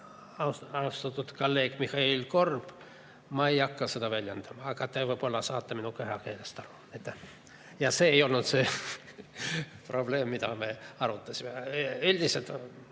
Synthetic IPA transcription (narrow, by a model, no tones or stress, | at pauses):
ɑɑust̪ɑt̪ːut̪kolːe̞ːɡ̥mihɑilko̞rb̥ | mɑejɑkːɑse̞d̪ɑvælʲjend̪̥ɑmɑɑkɑt̪evepolːɑsɑːt̪ːɑminukyɦɑkeːlest̪ɑɾu̥ | et̪ːæ | jɑse̞ːjo̞lnut̪se | proble̞ːmːit̪ɑmeɑɾut̪ːɑsʲimeylʲd̪iselt̪